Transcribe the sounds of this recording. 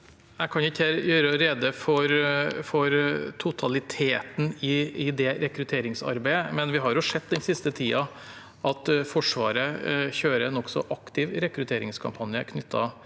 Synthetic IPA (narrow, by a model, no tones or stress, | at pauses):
æɪkʰɑnʊɪçəjøːɾəɾed̪əfɔɾfɔɾt̪ʰʊt̪ʰɑlɪt̪ʰeːt̪n̩ɪɪd̪ɛɾɛkɾʉt̪ʰeːɾɪŋsɑ̰ɾbæɪəmɛnʋɪɦɑɾjʊʂɛd̪̚d̪ɛnsɪst̪ət̪ʰiːɑ | ʔɑt̪fɔʂʋɑːɾəçøːɾəɛnɔksɔ̰ʔɑkt̪ɪʋɾɛkɾʉt̪ʰeːɾɪ̰ŋskʰɑ̰mpʰɑnjəkʰnʏt̪ʰːɑ